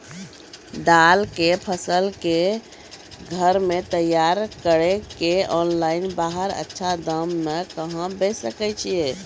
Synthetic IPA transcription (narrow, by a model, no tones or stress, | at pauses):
d̪alkepʰəsəlke | ɡʱəɾmet̪əjːaɾkəɽekeɔnlainbaɦəɾə̰tːʃʰad̪əmːekəɦə̃besəkɛt͡ʃʰije